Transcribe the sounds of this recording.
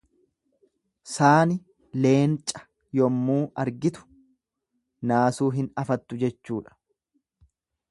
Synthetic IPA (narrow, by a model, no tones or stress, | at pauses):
saːnɪ | le̞ːnt͡ʃʼɐ̥ | jɔmːuːɐɾɡɪt̪ʊ̥ | naːsuːɦɪnɐfɐt̪ːʊd͡ʒɛt͡ʃːuːᶑɐ̥